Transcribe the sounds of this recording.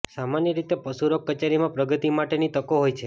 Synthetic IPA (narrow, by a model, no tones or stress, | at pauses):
samanjəɾit̪epəsuɾokːət͡ʃaɾimãpɾəɡət̪imaʈenit̪əkoɦojt͡ʃʰe